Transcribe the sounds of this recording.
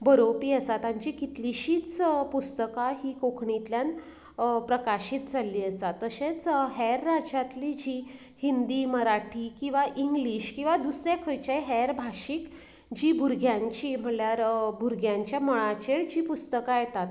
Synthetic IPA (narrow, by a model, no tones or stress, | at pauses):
bəɾopiːəsat̪aɲt͡ɕikit̪liɕiːt͡spust̪əkaɦiːkokʰɳit̪ljan | pɾəkaɕiːt̪d͡zʱalːiːəsat̪ːəɕet͡sɦɛɾːad͡ʑat̪lid͡ʑiː | hind̪iːməɾaʈʰikĩw̃ʋaʔiŋɡliːɕkĩw̃ʋad̪usɾjakʰəjt͡ɕajɦɛɾbʱaɕiːk | d͡ʑiːbʱuɾɡʱjãɲt͡ɕiːm̤əɳljaɾbʱuɾɡʱjãɲt͡ɕjaməɭ̃at͡ɕeɭd͡ʑiːpust̪əkajet̪at̪̚